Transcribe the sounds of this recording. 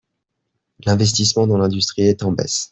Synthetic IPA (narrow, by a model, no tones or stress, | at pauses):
lɛ̃vɛs̬t̪ismɑ̃d̪ɑ̃lɛ̃d̪yst̪χiɛt̪ɑ̃bɛ̰s